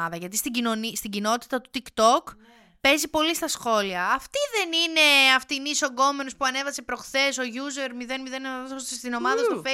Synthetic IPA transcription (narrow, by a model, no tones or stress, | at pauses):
ɐðɐʝɐt̪ist̪iɟino̞nist̪iɟino̞t̪i̥t̪ɐt̪u̥t̪ikt̪o̞k | pe̞zipo̞list̪ɐsxo̞liɐːft̪iðe̞nine̞ɐft̪iniso̞ɡo̞menospuɐne̞vɐsepɾo̞xθe̞so̞ʝuze̞ɾmiðe̞nmiðe̞nosst̪ino̞mɐðɐst̪ufe